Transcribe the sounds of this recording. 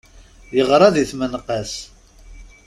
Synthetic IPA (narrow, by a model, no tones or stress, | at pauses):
jəʁɾˤɑðiθmənqəs